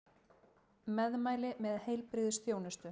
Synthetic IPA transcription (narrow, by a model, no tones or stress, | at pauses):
mɛðmaːjlɪmɛðhejlpɾɪðsθjoːwnɪst̪ʏ